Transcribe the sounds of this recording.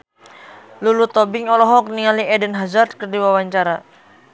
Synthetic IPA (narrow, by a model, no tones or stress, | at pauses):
lulut̪ɔbɪŋɔlɔɦɔk̚niŋaliɛdənɦazart̪̚kərdiwawaɲt͡ʃaɾa